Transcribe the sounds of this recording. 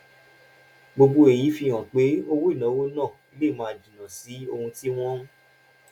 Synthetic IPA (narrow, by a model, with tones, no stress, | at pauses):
ɡ͡bo˧ɡ͡bo˧e˨ji˨˦fi˧j̃ã˨k͡pe˨˦o˧wo˦i˦˨nã˨˦wo˦nã˦˨i˧le˦˨mãː˦˨di˨nã˨si˨˦o˧hũ˧ti˦w̃ɔ̃˦